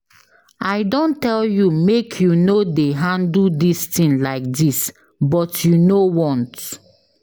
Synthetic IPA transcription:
aɪdõntɛljumekʰjunodeɦãndl̩distĩnlaɪk̚dis | bɔtjunowɔ̃nt

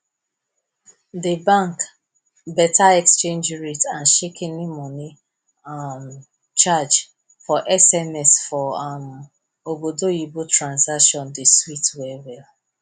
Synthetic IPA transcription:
debãŋk | bɛtaɛkst͡ʃẽnd͡ʒɹitanʃekʰɛnɪmɔni | m | t͡ʃad͡ʒ | fɔʔɛsɛmɛsfɔam̩ | obodoibutɾãnsakʃɔ̃ndɪswitwɛwɛl

